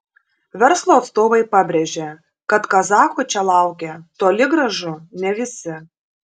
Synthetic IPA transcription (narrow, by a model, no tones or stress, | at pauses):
ʋʲɛɾslˠoːɐt̪st̪oːʋɐɪpɐbʲɾʲeʒʲe | kɐt̪kɐzɑːkoːt͡ʃʲɛlˠɑˑʊkʲet̪oːlʲɪɡɾɐʒʊnʲɛʋʲɪsʲɪ